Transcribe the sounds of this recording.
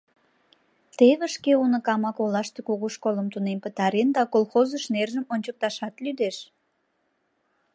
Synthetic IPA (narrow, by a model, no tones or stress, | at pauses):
t̪eβəʃkeunəkɑmɑkolɑʃt̪ekuɣuʃkoləmt̪unempət̪ɑɾend̪ɑkolxozəʃnerʒəmonʲt͡ɕək̚t̪ɑʃɑt̪lyd̪eʃ